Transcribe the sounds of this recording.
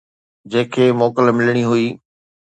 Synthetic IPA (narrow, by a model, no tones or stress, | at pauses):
d͡ʑɐ̃ːɪ̃kʰeːmoːkəlmɪləɽ̃iɦuiː